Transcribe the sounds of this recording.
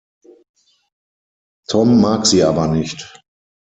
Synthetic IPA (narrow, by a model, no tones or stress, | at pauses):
tʰɔmːaːkz̥iːʔaːbɐnɪçt